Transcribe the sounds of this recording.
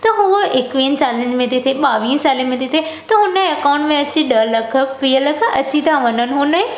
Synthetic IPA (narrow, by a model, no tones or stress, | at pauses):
t̪ɐɦuoɪkʋiːnsaːliə̃nd͡ʑmẽt̪ʰit̪ʰiɓaːʋiːnsaːlimẽt̪ʰit̪ʰet̪ɐɦʊnəɐkãʊ̃ɳʈmẽɐt͡ɕiɗɐlɐkʰə̆piːəlɐkʰɐt͡ɕit̪ʰãʋɐnənɪ̆ɦʊnə